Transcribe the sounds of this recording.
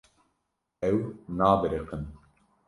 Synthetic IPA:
ɛwnaːbɨɾeqən

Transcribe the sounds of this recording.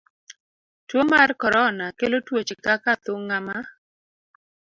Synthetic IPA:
twomarkɔɾɔnakelotwot͡ʃɪkakat̪ʊŋama

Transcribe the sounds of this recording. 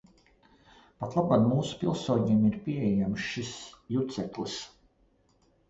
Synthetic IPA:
pat̪lˠabanmuːsu̥pʲilˠsoːɲiɛmiɾpʲiɛjamʃʃisjut̪sɛklˠis

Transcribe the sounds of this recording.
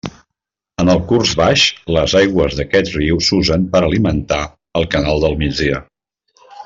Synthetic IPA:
ənəlˠkurzβaʃləzajɣwəzðəkɛt̪riwsuzəmpəɾəlimənt̪a | əlˠkənalˠd̪əlˠmid͡zðiə

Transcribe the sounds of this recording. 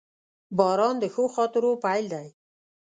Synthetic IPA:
bɑːɾɑnd̪əxoxɑːt̪əɾopajld̪aj

